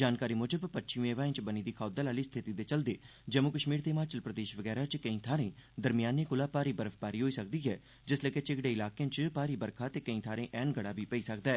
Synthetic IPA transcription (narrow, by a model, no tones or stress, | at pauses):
d͡ʒaːnkaːɾiːmʊd͡ʒəbpətːʃʰɪ̃eːʋaːẽːt͡ʃbəniːd̪iːkʰaːd̪alaːliːst̪ʰɪt̪iːd̪eːt͡ʃəld̪eː | d͡ʒəmʊkəʃmiːɾt̪eɪmaːt͡ʃəlpɾəd̪eːʃʋəɡɛːɾaːt͡ʃkəĩːt̪ʰaːɾẽːd̪əɾmɪjaːneːkʊlaːpaːɾiːbəɾəfʰbaːɾiːɦoːiːsək̚d̪iːɦɛː | d͡ʒɪsləɡeːt͡ʃɪɡɽeːɪlaːkeãːt͡ʃpaːɾiːbəɾkʰaːt̪eːkəĩːt̪ʰaːɾẽːʔɛːnɡəɽaːbiːpəiːsəkd̪aːɛː